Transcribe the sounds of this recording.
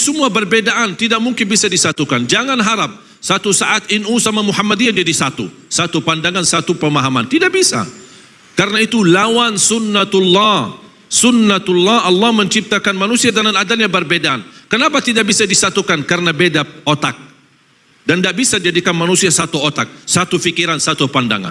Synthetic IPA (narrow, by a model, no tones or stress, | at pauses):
səmuabərbedaʔant̪idaʔ̚muŋkɪnbisadisat̪ukand͡ʒaŋanɦaɾap̚ | sat̪usaʔat̪inʔusamamuhamːadiɲad͡ʒadisat̪ṵ | sat̪upandaŋansat̪upəmaɦama̰nt̪idaʔ̚bisa̰ | kaɾənait̪ulawansunːat̪lːɑ | sʊnːat̪ulːɑhɑlːɑhməɲt͡ʃip̚t̪akanmanusiadananadaɲabərbedaʔnkənapat̪idaʔbisadisat̪ukankaɾənabedaot̪ak̚ | dandaʔbisadid͡ʒadikanmanusiasat̪uot̪ak̚sat̪ufikiɾansat̪upanda̰ŋa̰n